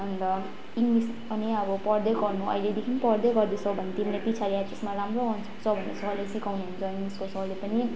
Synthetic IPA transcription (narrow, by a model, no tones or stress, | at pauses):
ʌnd̪ʌ | iŋɡlis | ʌniʌbʌpʌrd̪ʌɡʌrnuʌ̰jled̪ekʰinipʌrd̪ʌɡʌrd̪et͡sʰʌbʱʌnːet̪imilapit͡sʰaɾiasesmaɾamroʌnʰ | t͡sʰʌbʱʌnːet͡sʰʌːlasikawnuɦunt͡sʰʌiŋɡliskot͡sʰʌʌlepʌni